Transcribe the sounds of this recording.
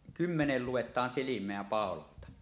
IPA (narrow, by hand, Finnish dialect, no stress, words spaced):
kymːenel luetˑɑːn silimˑeæ pɑˑololtɑ